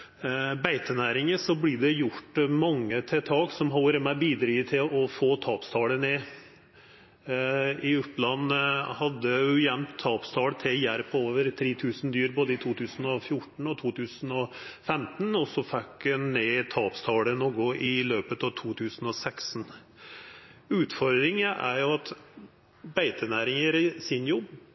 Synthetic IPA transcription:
bæɪt̪ʰənæːɾɪŋəsɔblɪːɖɛjʊʈmɑŋːət̪ʰɛt̪ʰɑːɡsɔmɦɔlːəɾəmæɪbiːd̪ɾiːt̪ʰɪlɔfoːt̪ʰɑːpst̪ʰɑːɽəneː | ɪʉplɑnːhɑd̪ːəʉjɛmt̪ʰːɑːpst̪ʰɑːɽt̪ʰɛjæɾpʰoːʋəɾt̪ʰɾeːt̪ʰʉːsnd̪yːɾboːd̪əɪt̪ʰuːt̪ʰʉːsn̩ɔfjʊʈɳ̩ɔt̪ʰuːt̪ʰʉːsn̩ɔfɛmt̪n̩ɔsɔfɛkːneːt̪ʰɑːpst̪ʰɑːɽənoɡʊʔɪløːpət̪ɑʋt̪ʰuːt̪ʰʉːsən̩ɔsɛksn̩ | ʉːt̪fɔɾd̪ɾɪŋəʔæ̰ɾjʊɑt̪ | bæɪt̪ʰənæːɾɪŋəɾsɪnjɔbː

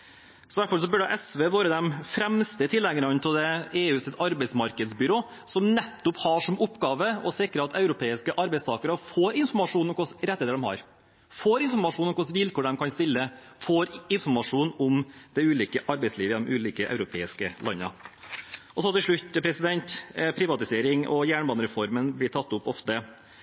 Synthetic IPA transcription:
sɔʋæʈfɔls̬ɔbʉɖɛʔɛsʋeːʋoːɾəd̪ɛmfɾɛmst̪ət̪ʰɪlːɛɡənɑnt̪ʰɪld̪ɛeːʉːsɪt̪ɑɾbɛɪsmɑɾkəd̪sbʏɾoː | sɔmnɛt̪ːʊphɑʂɔmʊpːɡɑːʋəɔsɪkɾəɑt̪ʰɑʉɾʊpʰeːɪskəʔɑɾbɛɪst̪ʰɑːkəɾəfoːɾɪnfɔɾmɑʂuːnɔmkʊsɾɛt̪ːhːd̪əd̪ɛmhɑ̰ɾ | foːɾɪnfɔɾmɑʂuːnɔmkʊsʋɪlkʰoːɖɛmkʰɑnst̪ɪlːə | foːɾɪnfɔɾmɑʂuːnʊmd̪̥ɛʉːliːkəʔɑɾbɛɪsliːʋəjɛd̪ɔmʔʉːliːkəʔœ̰ʉɾʊpʰḛːɪskəlɑ̰nːə̰ | ʔɔsɔt̪ɪʂɭʉtːpʰɾɛsɪd̪ɛnt̪pʰɾɪʋɑt̪ɪseːɾɪŋɔ̰jæːɳbɑnəɾɛfɔɾmənblɪt̪ʰɑt̪ːʊpːɔft̪ə

